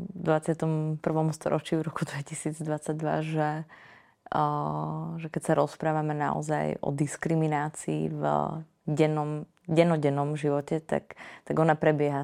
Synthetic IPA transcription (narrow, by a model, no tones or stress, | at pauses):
d̪ʋat͡sɪat̪ɔmpr̩ʋɔmst̪ɔ̰ɾɔt͡ʃivɾɔkud̪ʋɛcisiːd͡zd̪ʋat͡saɟ̚d̪ʋa̰ʒɛ | ʒɛkɛcsaɾɔspɾaːʋamɛna̰ɔ̰zajɔ̰d̪iskɾiminaːt͡sḭːv | ɟɛnɔm | ɟɛnɔɟɛnːɔmʒiʋɔcɛt̪a̰kt̪aɡɔnapɾɛbɪɛɦa